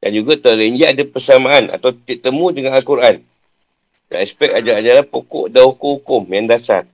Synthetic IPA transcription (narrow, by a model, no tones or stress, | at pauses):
dand͡ʒuɡat̪ələind͡ʒiaʔadapəsamãana̰t̪awt̪iʔt̪əmũdəŋanalkuɾʔan | da̰ɛspɛk̚ad͡ʒaad͡ʒaɾapokɔ̰ʔdahukuhukʊmjaŋdasa̰r